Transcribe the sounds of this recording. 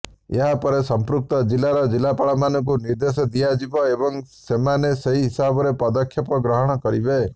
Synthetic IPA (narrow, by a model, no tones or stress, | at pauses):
eɦapɔɾesɔmpɾuk̚t̪ɔd͡ʒilaɾɔd͡ʒilːapaɭɔmanɔŋk̬uniɾd̪esɔd̪ijad͡ʒibɔebɔŋsemaneseɦiɦisabɔɾepɔd̪ɔkʰːjɔpɔɡɾɔɦɔɽ̃ɔkɔɾibe